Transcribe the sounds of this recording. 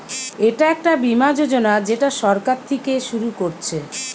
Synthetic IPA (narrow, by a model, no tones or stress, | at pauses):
eʈaɛk̚ʈabimad͡ʑod͡ʑonad͡ʑeʈaʃɔɾkaɾt̪ʰekeʃuɾukoɾt͡ɕʰe